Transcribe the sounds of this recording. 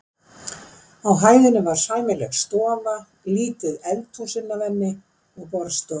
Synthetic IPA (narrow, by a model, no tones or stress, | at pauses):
awɦaːjðɪnːɪvaɾ̥saːjmɪlɛɣst̪ɔːva | liːt̪ɪðɛlt̪ʰusɪnːavɛnːɪ | ɔɣpɔɾst̪ɔː